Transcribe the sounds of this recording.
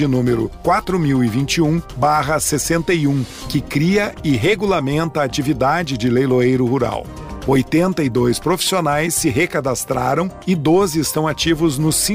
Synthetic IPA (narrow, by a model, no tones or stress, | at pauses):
ɪnũmeɾʊ̰kwat̪ɾʊmiwɪvĩnt͡ʃɪũbaɦɐsesẽnt̪ɐiũkɪkɾiɐɪɦeɡulamẽnt̪ɐːt͡ʃivid̪ad͡ʒɪd͡ʒɪlejloejɾʊhuɾa̰w | ojt̪ẽnt̪ɐɪd̪ojspɾofi̥sionajsːɪɦekad̪ast̪ɾa̰ɾɐ̃w̃ɪd̪ozɪɪst̪ɐ̃w̃at͡ʃivʊznʊsĩ